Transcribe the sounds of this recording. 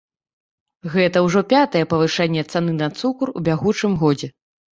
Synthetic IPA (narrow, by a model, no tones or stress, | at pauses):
ɣɛt̪ɐwʐɔpʲat̪ɐjɛpɐvɨʂɛnʲːɛt̪san̪ɨnɐt̪sukrṵbʲaɣut͡ʂɨmɣɔd͡zʲɛ